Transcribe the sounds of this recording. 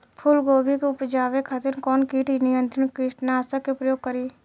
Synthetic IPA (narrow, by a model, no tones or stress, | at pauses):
pʰʊlɡoːbʱikeʊpd͡ʒaːʋekʰɐt̪ɪɾkɔːnkiːʈnɪjə̃nt̪ɾəɳkɪʈnaːsəkːepɾəjoːɡ̚kəɾiː